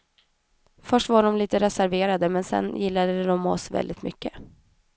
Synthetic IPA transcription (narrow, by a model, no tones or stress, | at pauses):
fœʂʈvaɖɔmliːt̪əɾɛsæɾveːɾad̪əmɛnsɛ̰nːjɪlːad̪əɛd̪ɔmɔ̰svɛ̰ld̪ɪt̪mʏ̰kːə